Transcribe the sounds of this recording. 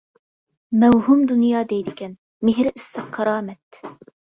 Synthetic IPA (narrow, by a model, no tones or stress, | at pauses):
mɛwɦumd̪unjɑːd̪ɛjd̪ɪkʲɛn | mɪɦɾɪʔɪsːɑqqʰːɑɾɑːmɛt̪